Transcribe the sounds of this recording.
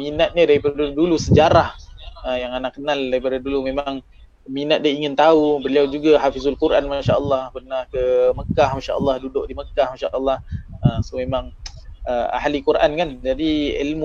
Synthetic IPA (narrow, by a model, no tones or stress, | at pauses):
minat̪̚ɲadaɾipadadulusəd͡ʒaɾahəjaŋanaʔkənaldaɾipadadulumemaŋ | minat̪̚diaiŋɪnt̪aubəliawd͡ʒuɡaɦafizalkuɾʔanmaʃaʔəlːɑhpərnahkəməkahmaʃa̰ʔə̰lˠːɑhdudʊʔdiməkahmaʃaʔəlˠˤːɑhəmsomemaŋəa̰ɦalikuɾʔa̰nkand͡ʒadiḭlmu